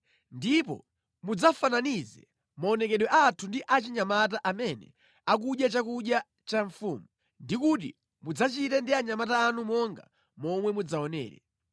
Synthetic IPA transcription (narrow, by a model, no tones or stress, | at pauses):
ndipɔ̰ | mud͡zafananizɛ̰ | maɔnɛkɛɗwɛʔatʰundiʔat͡ʃiɲamat̬aʔamɛnɛ̰ | ak̬uɗjat͡ʃakuɗja | t͡ʃaɱfṵːmu | ndikut̬ḭ | mud͡zat͡ʃitɛndiaɲamataːnumɔŋɡa | mɔmwɛmud͡zaɔnɛ̰ːɾɛ̰